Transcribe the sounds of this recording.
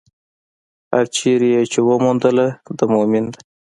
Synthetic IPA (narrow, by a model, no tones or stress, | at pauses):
ha̰ɾt͡ʃʰeɾijet͡ʃewəmund̪əlad̪əmomind̪a